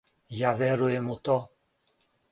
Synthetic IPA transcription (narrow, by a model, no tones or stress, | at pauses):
javɛɾuemut̪ɔ